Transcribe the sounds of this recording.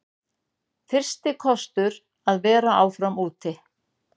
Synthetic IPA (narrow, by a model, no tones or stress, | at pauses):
fɪr̥st̪ɪkʰɔst̪ʏɾ | aðvɛːɾaʔaːwfɾamuːt̪ɪ